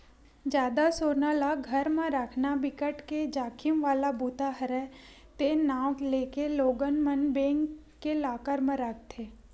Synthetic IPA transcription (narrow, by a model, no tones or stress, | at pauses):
d͡ʒjaːd̪asoːɾnalaɡʱəɾmə̃ɾakʰnabɪkəʈked͡ʒaːkʰɪmʋaːlabuːt̪aɦəɾɛ | t̪enaːwleːkeloːɡənmənbẽːŋ | kːelaːkəɾmə̃ɾak̚ʰt̪ʰeː